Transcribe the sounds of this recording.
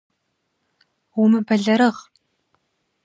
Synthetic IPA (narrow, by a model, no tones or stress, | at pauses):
umɨbɐɮɐɾɨʁ